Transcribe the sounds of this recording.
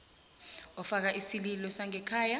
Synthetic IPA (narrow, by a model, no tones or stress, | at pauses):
ɔfak̬aʔisililɔsaŋɛkʰaːja